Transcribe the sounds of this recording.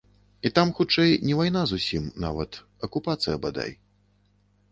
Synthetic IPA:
it̪amxut͡ʂɛjnʲɛvajnazusʲimna̰vɐ̰t̪ | ɐkupat̪sɨjɐbad̪a̰j

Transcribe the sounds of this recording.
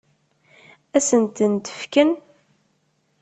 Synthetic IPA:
æsənt̪ənt̪ə̥fkən

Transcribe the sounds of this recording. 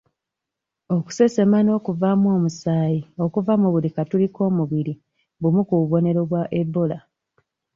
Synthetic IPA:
o̞ku̥se̞se̞mano̞ːkuvamwo̞ːmusaːjio̞kuvamuβulikatuliko̞ːmuβiɾi | βumukuβo̞ne̞ɾoβwaʔebːo̞la

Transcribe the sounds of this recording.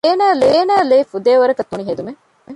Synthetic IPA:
eːnaːleːnaːleːfud̪eːʋɐɾɐkɐt̪ːuniɦed̪ume

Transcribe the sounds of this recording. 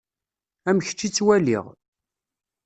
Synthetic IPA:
æmçt͡ʃːit͡sːwælḭʁ

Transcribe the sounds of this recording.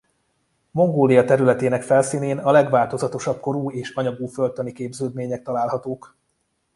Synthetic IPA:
mo̞ŋɡoːlijɒt̪ɛɾylɛt̪eːnɛkfɛlsiːneːnɒlɛɡʋaːlt̪o̞zɒt̪o̞ʃɒp̚ko̞ɾuːeːʃɒɲɒɡuːfølt̪ønikeːbzøːd̪meːɲɛk̚t̪ɒlaːlɦɒt̪oːk

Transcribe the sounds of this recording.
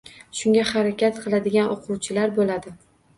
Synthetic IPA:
ʃʊŋɡʲahaɾakʲat̪qʰɨlˠad̪ɪɡʲanʔoqʰuwt͡ʃʰɪlaɾbolad̪ɪ

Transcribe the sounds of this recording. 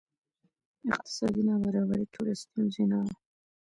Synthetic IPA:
ɪq̚t̪ɪ̥sɑd̪inawaɾɑbaɾit̪ʰuɾɪst̪izinɑ

